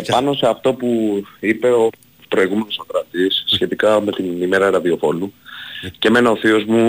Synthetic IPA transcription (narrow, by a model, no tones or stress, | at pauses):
pɐno̞se̞ɐft̪o̞puipe̞o | pɾo̞iɣume̞no̞sokɾɐt̪isːçe̞t̪ikɐme̞t̪inime̞ɾɐɾɐðio̞fo̞nuceme̞neoθio̞zmu